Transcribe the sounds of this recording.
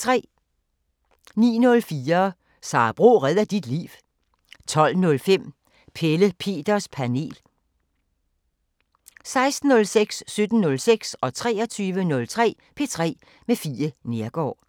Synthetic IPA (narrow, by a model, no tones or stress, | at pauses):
t͡sʰʁɛ̰ː | nḭːnɔ̽lfiːɐ | sɑ̰̈ːb̥ʁo̝̰ːʁɛð̰ˠɐd̥id̥lḭːʋ | t͡sʰɒ̽l̰nɔ̽lfem̰ | pʰeləpʰe̝̰ːd̥ɐspʰæne̝̰ːl | sɑ̈ɪsd̥n̩ːɔ̽lseɡ̥sːød̥n̩nɔ̽lseɡ̥sɒ̽t͡sʰʁɛ̰ːɒt͡sʰyːʋənɔ̽lt͡sʰʁɛ̰ː | pʰe̝t͡sʰʁɛ̰ː | mefiːɐne̝ɐɡ̥ɒ̰ː